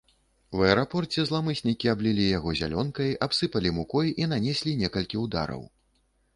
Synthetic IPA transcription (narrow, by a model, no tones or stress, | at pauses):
wɛɛɾapɔrt͡sʲɛzlˠamɨsʲnʲikʲiablʲilʲijaɣɔzʲa̰lʲɔnkɐjapsɨpɐlʲimukɔjinanʲɛsʲlʲinʲɛkɐlʲkʲiwd̪a̰ɾɐ̰w